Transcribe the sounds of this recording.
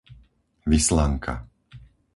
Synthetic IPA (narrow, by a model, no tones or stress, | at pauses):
ʋislaŋkʰa̰